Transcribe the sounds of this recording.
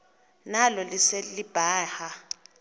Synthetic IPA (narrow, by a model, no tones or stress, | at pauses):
nalɔliselib̥ʱaːha